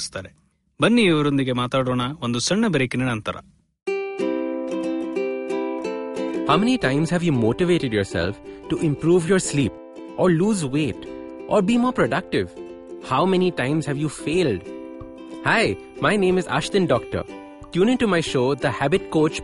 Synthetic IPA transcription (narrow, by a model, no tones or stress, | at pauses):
st̪aːɾe | bɐnːiːʋɐɾond̪iɡemaːt̪aːɽoːɳɐond̪usɐɳːɐbɾeːkinɐnɐnt̪ɐɾɐ̰ | haʊmɛniʈãɪ̃mzhɛʋjuːmoːʈɪʋeːʈɪɖjɔːɾsɛ̰lfʈuʔɪ̃mpɾuːʋjɔːɾsliːp | ʔɔːɾluːzʋeːʈʔɔːɾbiːmɔːɾpɾoɖɐk̚ʈɪʋ | haʊmɛniʈãɪ̃mz̥hɛʋjuːfeːlɖ | haɪ | maɪnẽːmɪza̰ːʃt̪ə̃nɖɔːk̚ʈə̰ɾ | ʈjuːnɪ̃ŋʈumaɪʃoːd̪əhæbɪʈ̚koːt͡ʃ